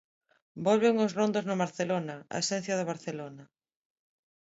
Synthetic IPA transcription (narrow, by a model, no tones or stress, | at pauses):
bolβɪŋʊzrond̪oznʊβaɾθelonɐa̰esɛ̃n̟θjɐðɪβ̞aɾθelonɐ